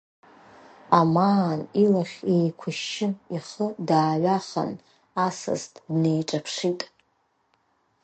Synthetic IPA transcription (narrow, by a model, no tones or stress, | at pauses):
amaːnilaχʲejkʷʰʊʃɪiχədaːɥaχa̰n | asɨ̰ztʼdne̞jʈ͡ʂʼapʰʂitʼ